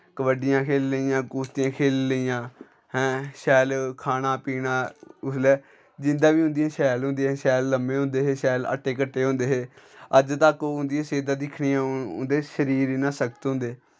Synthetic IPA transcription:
kəʋəɖɪjãːkʰeːlːəijãːkuːst̪ɪjãːkʰeːlːəijãː | hɛ̃ːʃɛːlkʰaːnaːpiːnaːʊslɛː | d͡ʒɪnd̪ãːʋiːɦʊ̃nd̪ijãːʃɛːlɦʊ̃nd̪eɦɛ̃ːʃɛːlːəmẽːɦʊ̃ːnd̪eːɦeːʃɛːlə̰ʈʰːeːkəʈːeːɦõːnd̪eːɦeːəd͡ʒt̪əkʊ̃nd̪ijãːseːd̪ãːd̪ɪkʰɽijãːʊ̰nd̪eːʃəɾiːɾinaːsəkət̪ɦʊ̃nd̪eː

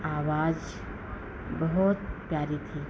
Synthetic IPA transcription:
aːʋaːd͡ʒ | bəɦɔt̪pjaːɾit̪ʰiː

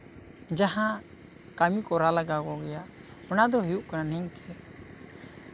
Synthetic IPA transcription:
d͡ʒaɦã | kamikɔɾalaɡakɔɡɛjaʔ | ɔnad̪ɔɦɛjuʔkananɛŋkɛ

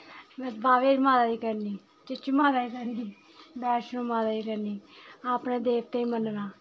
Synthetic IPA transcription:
mɛ̃sbʱaːʋeːɾmãːd̪aːiːkəɾniː | t͡ʃɪt͡ʃimaːzaːiːkəɾniː | bɛːʃnõːmãːzaːiːkəɾniːaːpnẽːd̪eːp̚t̪ẽĩmənnãː

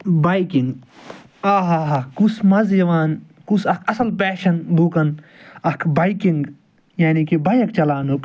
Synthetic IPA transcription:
baːikiŋɡ | aːɦaɦaːkusmɐzjɐʋaːn | kusɐkʰɐsɐlpeːʃɐnbʱuːkɐnɐkʰbaikiŋɡ | jaːnikibɐjɐkt͡ʃɐlaːnuk

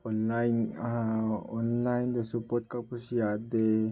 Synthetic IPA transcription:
ɔnlajnaɔnlajnd̪əsupɔt̪̚kapusiad̪e

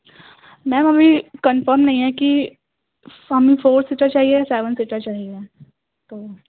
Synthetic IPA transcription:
mɛ̃ːmɐbʱikənfəɾmnɐɦĩɦɛ̃ki | ɦɐmĩfoːɾsɪʈəɾt͡ʃaːɦieseːʋə̃nsiʈəɾt͡ʃaːɦie | t̪oː

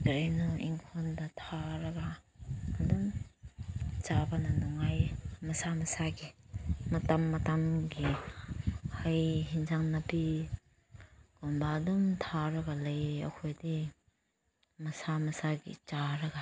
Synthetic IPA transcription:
ɡɾejnɔʔiŋkʰondatʰaɾɐɡaː | dum | t͡ʃabananɔŋajmɐsamɐsaɡimɐtamːɐtamɡi | hajɦinzaŋnɐpi | ɡ̥onbaːdumtʰaɾɐɡalajɐ̰kʰojdi | mɐsamɐsaɡḭt͡ʃaɾɐɡa

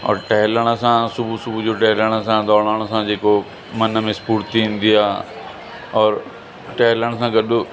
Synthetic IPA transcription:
ɔ̰ːɾʈɛɦləɽ̃əsãsʊbʱusʊbʱud͡ʑoːʈɛɦɪləɽ̃əsãd̪ɔːɽ̃aːɽ̃əsãd͡ʑeːko | mɐnəmẽspuːɾt̪iĩːnd̪iaː | ɔːɾ | ʈɛɦɪləɽ̃sãːɡəɗʊ

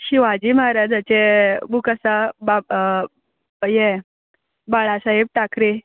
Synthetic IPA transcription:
ɕiʋad͡ʑiːmaɦɾad͡zat͡ɕebukasaba | je | baɭasaɦeb̚ʈakɾe

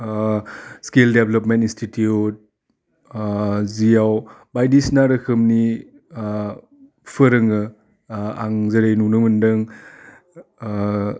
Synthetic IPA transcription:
skeldeblɔpmentinstitiut̚ | zijawbajdisnaɾɐkʰɯmni | pʰəɾɯŋɯ | a̰ŋzɐɾejnunɯmɯndɯŋ

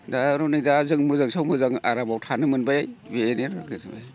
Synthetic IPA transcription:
daɾɔnidazɯŋmɯzaŋsʰawmɯzaŋa̰ɾabawtʰanɯmɯnbajjbeneɾaɡɯzɯbaj

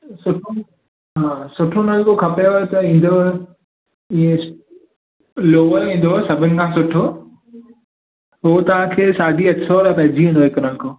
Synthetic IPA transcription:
sʊʈʰo | ɦãːsʊʈʰonɐlkokʰɐpejoɦet̪ɐĩːn̆d̪oe | ĩẽs | loːʋəɾĩːn̆d̪oesɐbʱɪnɪ̆kʰãːsʊʈʰo | ɦoot̪ɐʋ̤ãkʰeːsaːɖʱiɐksoːɾpɐ̃ɦɪ̃d͡ʑiɦũːnd̪oɦɪknɐlkoː

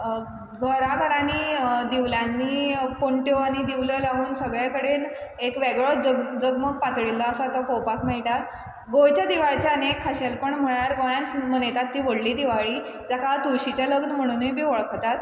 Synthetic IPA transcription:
ɡʱəɾakʰəɾañiːd̪iʋljanːiːpoɳʈjoaɽ̃id̪iʋljəlaʋuːnsəɡɭjakəɽenekʋeɡɭɔd͡zəɡd͡zəɡməɡ̚pat̪ɭilːəəsat̪ɔkowpakmeɭʈat̪ | ɡojt͡ɕjad̪iʋaɭt͡ɕjaənekʰːaɕelpəɳm̤əɭaɾɡojãnt͡smənet̪at̪ːiːʋoɽliːd̪iʋaɭiː | d͡zakat̪uɕit͡ɕjaləɡnəm̤əɽ̃uːniːbʱiːʋoɭkʰt̪at̪

